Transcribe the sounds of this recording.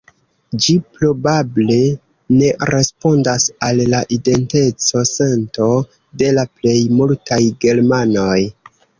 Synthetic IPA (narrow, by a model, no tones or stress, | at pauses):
d͡ʒipɾo̞bable̞ | ne̞ɾe̞spo̞ndasalːaʔide̞nte̞t͡so̞sento̞ | de̞laple̞jmultʰajɡe̞ɾmano̞j